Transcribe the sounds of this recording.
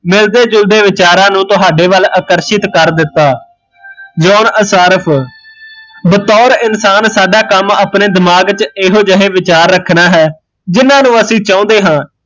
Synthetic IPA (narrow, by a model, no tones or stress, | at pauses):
mɪld̪eːd͡ʒʊld̪eːʋɪt͡ʃaːɾãːnũːt̪ʊɦaːɖeːʋəlaːkəɾʃɪt̪kəɾd̪ɪt̪ːaː | d͡ʒɔːnəsaːɾəpʰ | bət̪ɔːɾɪnsaːnsaːɖaːkəmaːpneːd̪ɪmaːɡt͡ʃɪːɦoːd͡ʒəɦeːʋɪt͡ʃaːɾːəkʰnaːɦɛː | d͡ʒɪnãːnũːəsĩːt͡ʃãːnd̪eːɦãː